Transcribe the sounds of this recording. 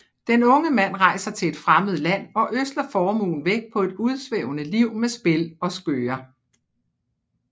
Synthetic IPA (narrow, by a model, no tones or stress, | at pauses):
d̥enɔ̽ŋəmæn̰ʁɑ̈ɪsɐt͡sʰe̝e̝d̥fʁaməð̞̩ˠlæn̰ɒ̽ʔøsd̥lɐfɒːmṵːn̩ʋeɡ̥̚pʰɒ̽e̝d̥uð̞ˠsʋḛʊnəliʊ̰mesb̥e̝lɒ̽sɡ̥øːɐ